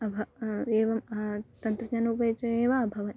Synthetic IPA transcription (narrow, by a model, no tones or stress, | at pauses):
ɐbʱɐeːʋɐmt̪ɐnt̪ɾɐd͡ʒɐnuːpɐjt͡ʃɐeːʋaːbʱɐʋɐn